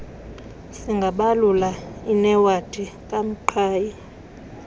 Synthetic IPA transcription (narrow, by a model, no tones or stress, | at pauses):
siŋɡʱaɓalulainɛwad̥ʱʼikʼam̩ǃʰaːji